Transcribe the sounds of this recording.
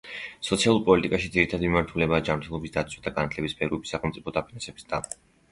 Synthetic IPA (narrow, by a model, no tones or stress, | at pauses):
sɔt̪sʰialˠuɾpʼɔlit̪ʼikʼaʃid̪ziɾit̪ʰad̪imimaɾt̪ʰulɛbaːd͡ʒamɾt̪ʰɛlˠɔbisd̪at̪sʰwad̪aɡanat̪ʰlɛbispʰɛɾuɛbisːaχɛlˠmt̪sʼipʰɔd̪apʰinansɛbi̥sd̪a